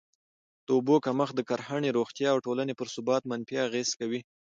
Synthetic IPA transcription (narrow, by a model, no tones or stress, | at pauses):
d̪̥əʊbokaməxd̪əkaɾhaɳeɾoxt̪jɑːwʈolanepəɾsʊbɑt̪manfiaɣez̥kawi